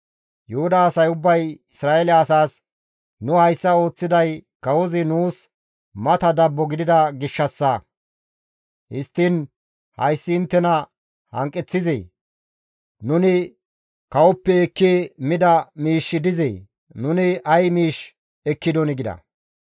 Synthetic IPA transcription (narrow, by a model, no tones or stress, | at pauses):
jʊhʊd̪ɐːsɐjʊbːɐjɪsɾaːelɛɐsaːs | nʊhɐjsːɐo̞ːt͡sːɪd̪ɐjkɐwɔzɪnuːs | mɐt̪ɐd̪ɐbːɔɡɪd̪ɪd̪ɐɡɪʃːɐsːɐ | hɪst̪ːɪn | hɐ̰jsːɪːnt̪ːɛnɐ | hɐ̰ŋkʼːɛt͡sːɪzḛː | nʊnɪ | kɐwɔpːɛːkːeːmɪd̪ɐmiːʃːɪd̪ɪzḛː | nʊnɪʔɐjmiːʃ | ɛkːɪd̪ɔnɪɡɪd̪ɐ̰